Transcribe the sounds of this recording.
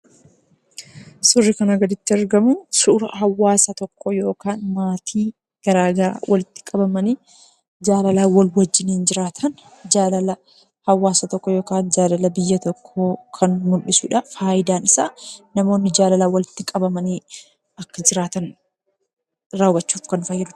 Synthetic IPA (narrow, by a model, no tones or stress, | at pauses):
sʊrːɪkɐnɐɡɐd̪ɪt̪ːɪɐɾɡɐmʊsuɾɐ̰ɦɐwːaːsɐt̪ɔkʰːɔjo̞ːkaːnmaːt̪ʰiː | ɡ̥ɐɾaːɡɐɾa̰ːwʔɐlɪt̪ːɪ̥kʼɐbɐmɐniː | d͡ʒaːlɐlaːwɐlwɐd͡ʒːɪniːnd͡ʒɪɾaːt̪ʰɐn | d͡ʒaːlɐlɐ | hɐwːaːsɐt̪ɔkːɔjo̞ːkaːnd͡ʒaːlɐlɐbɪjːɐt̪ɔkʰːoːkʰɐnmʊnɗɪsʊᶑɐfaːjɪd̪aːnɪsaːnɐmoːnːɪd͡ʒaːlɐlaːwɐlɪt̪ːɪkʼɐbɐmɐniː | ɐkːɐd͡ʒɪɾaːt̪ɐn | ɾɐwɐt͡ʃːuːfkɐnfɐjːɪd̪ʊ̥